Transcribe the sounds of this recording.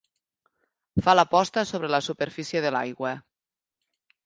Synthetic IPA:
falapɔst̪asoβ̞ɾelasupeɾfisieðəla̰jɣwə

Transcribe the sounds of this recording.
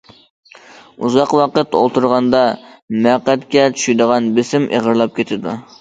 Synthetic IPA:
uzɑqwɑqət̪o̰lˠt̪ʰuɾʁɑnd̪ɑmæqːæt̪kʲɛt͡ʃʰy̥ʃyjd̪əʁɑnbɪsɪmʔḛʁəɾlˠɑp̚kʲʰet̪ʰɪd̪u

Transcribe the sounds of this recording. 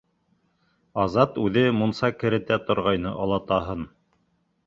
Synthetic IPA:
ɑzɑt̪ʉðɘmunsɑkɘ̆ɾɘ̆t̪æt̪ŏɾʁɑjnɤʔɑlˠɑt̪ɑɦɤn

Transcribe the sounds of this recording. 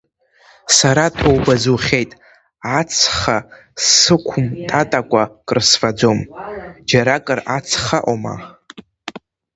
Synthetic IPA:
saɾatʰowbazuχʲe̞jtʼ | at͡sʰχa | sɨkʷʰʊmtʰʼatʼakʷʼakʼrsfad͡zomd͡ʒaɾakʼɨrat͡sʰχaʔoma̰

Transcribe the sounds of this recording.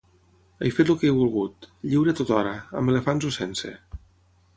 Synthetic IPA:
ajfet̪lukejβulˠɣut̪ʎiwɾet̪ot̪ɔɾəə̰melefanzusensḛ

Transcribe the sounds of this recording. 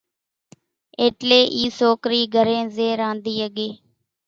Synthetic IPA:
eːʈleːʔiːsoːkɾiːɡʱəɾẽːzeːɾãːnd̪iːəɠeː

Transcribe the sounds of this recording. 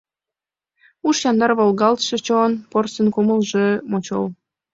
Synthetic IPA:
uʃjɑnd̪ɑrβolˠɣɑlt̪ʃət͡ɕonporsənkuməlʒə̆mot͡ɕo̰l

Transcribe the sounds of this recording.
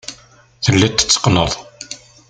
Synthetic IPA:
θəlːæt̪ːə̥t͡sːə̥qnəðˤ

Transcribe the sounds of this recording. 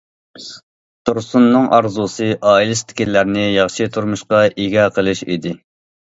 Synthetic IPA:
t̪ʰuɾsunːɨŋʔɑ̰ɾzusɨʔɑːilɪst̪ʰɪ̥kʲilːæɾnɪjɑχʃɨt̪ʰuɾmuʃqɑʔiɡʲɑqʰəlˠɨʃḭd̪ɪ

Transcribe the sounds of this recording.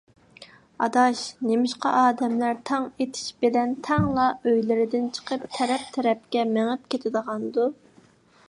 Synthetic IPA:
ɑ̰d̪ɑʃnemɪʃqɑ̰ʔɑːd̪ɛmlæɾt̪ʰɑŋet̪ʰi̥ʃbelɛnt̪ʰɛŋlˠɑøjlɪɾɪd̪ɪnt͡ʃʰə̥qʰəpt̪ʰɛɾɛp̚t̪ʰɛɾɛp̚kʲɛmeŋɪp̚kʲet̪ʰɪd̪əʁɑnd̪u

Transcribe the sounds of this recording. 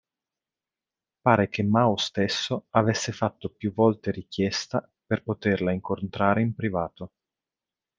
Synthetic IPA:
paːɾekemːaost̪esːoavesːefat̪ːopjuvɔlt̪eɾikjɛst̪a | perpot̪erlaiŋkont̪ɾaːɾeimpɾivaːt̪o

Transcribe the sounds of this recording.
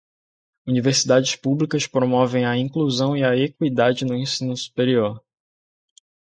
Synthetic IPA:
univeɾsid̪ad͡ʒɪspublikɐspɾomɔvẽj̃ɐĩkluzɐ̃w̃iɐekwid̪ad͡ʒɪnʊẽsĩnʊsu̥peɾioɾ

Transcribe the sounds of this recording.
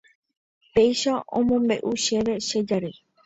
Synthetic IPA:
pejʃaõ̰mõmbeʔuʃeʋeʃed͡ʒaɾɨ

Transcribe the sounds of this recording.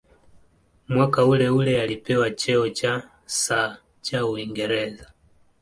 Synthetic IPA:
mwakaulɛulɛalipɛwat͡ʃɛɔt͡ʃa | sa | t͡ʃauiŋɡɛɾɛza

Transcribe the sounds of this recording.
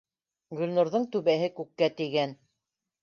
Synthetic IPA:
ɡɵ̆lnŏɾðɤɴt̪ʉβæɦɘkʉkːæt̪iɡæn

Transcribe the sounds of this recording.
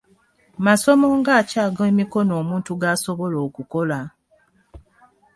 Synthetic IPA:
maso̞mo̞ŋɡaːcaːɡemiko̞noːmuːntuɡaso̞βo̞lo̞ːkuko̞la

